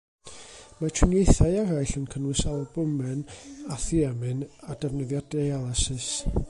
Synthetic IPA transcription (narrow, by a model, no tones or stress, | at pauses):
matʰɪnjejθaɨaɾajɬənkʰənwɪsalˠɔbʊmɛnaθiɛmɨnadɛvnəðjɔdejalˠasɪs